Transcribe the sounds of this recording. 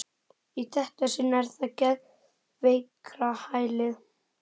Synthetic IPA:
it̪ʰɛht̪asɪnːɛɾ̥θaðcɛð | vejkɾahaːjlɪð

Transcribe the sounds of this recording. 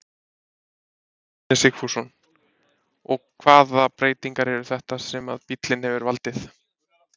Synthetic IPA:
nɛsɪkfusɔn | ɔɣkʰvaːðapɾeːjt̪iŋkaɾɛɾʏθɛht̪asɛma̰ðpit̪lɪnhɛvʏɾvalt̪ɪθ

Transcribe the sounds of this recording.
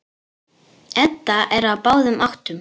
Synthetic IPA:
ɛt̪ːaʔɛɾawpaːwðʏmʔaxt̪ʏm

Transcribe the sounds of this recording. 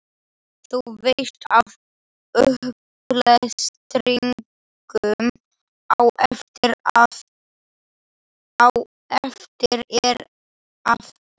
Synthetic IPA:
θuvejst̪av | œhp | lɛðst̪ɾiŋ | kʏm | awʔɛft̪ɪɾ | aw | ɛft̪ɪɾɛɾ | aft̪

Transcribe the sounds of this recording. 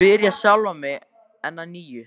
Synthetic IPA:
ɪɾjasjawlvamɛɣ | ɛnːaniːjʏ

